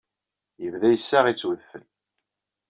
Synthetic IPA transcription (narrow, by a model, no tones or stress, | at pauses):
jəvðæjəsːaʁit͡sːwəðfən